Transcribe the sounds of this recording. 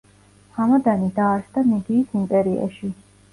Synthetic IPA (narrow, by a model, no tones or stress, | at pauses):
hamad̪anid̪aːɾsd̪anɛd̪iːsimpʼɛɾia̰ʃi